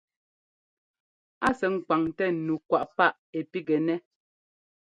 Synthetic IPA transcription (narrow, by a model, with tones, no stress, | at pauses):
a˦sɛ˨ŋ̩˨kwa˨ŋtɛ˦˨nu˨kwa˨ʔpa˦ʔ | e˨pi˦ɡɛ˨nɛ˦